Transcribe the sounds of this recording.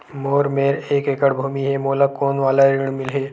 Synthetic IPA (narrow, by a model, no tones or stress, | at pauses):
moːɾmeːɾeːkekəɽbʱuːmiɦɛmolakoːnʋaːlaɾiɳ̃mɪlɦeː